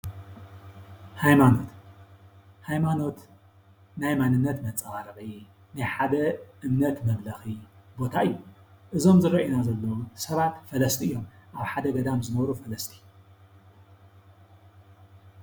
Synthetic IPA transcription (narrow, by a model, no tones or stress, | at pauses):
hajmano̞t̪ | hajmano̞t̪ | najmanɨnːɐt̪mɐt͡sʼaaɾɐɣi | najħad̪ɐʔɨmnɐt̪mɐβlɐxibo̞t̪ʰaɨjːuʔɨzo̞mzɨɾɐʔinazɐlːɐwusɐβat̪fɐlɐst̪ʰiʔɨjːo̞mʔaβħad̪ɐɡɐd̪amzɨnɐβɾufɐlɐst̪ʰi̥